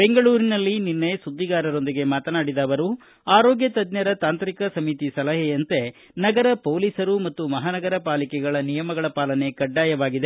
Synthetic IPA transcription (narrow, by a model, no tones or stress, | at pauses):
be̞ŋɡɐɭuːɾinɐlːininːesud̪ːiɡaːɾɐɾo̞nd̪iɡe̞maːt̪ɐnaːɽid̪aːʋɐɾu | aːɾoːɡjɐt̪ɐd̪nɐɾɐt̪aːnt̪ɾikɐsɐmit̪isɐlɐɦɛjɐnt̪e̞ | nɐɡɐɾɐpoːliːsɐɾumɐt̪ːumɐɦaːnɐɡɐɾɐpaːlikɛɡɐɭɐnijɐmɐɡɐɭɐpaːlɐne̞kɐɖːaːjɐʋaːɡid̪e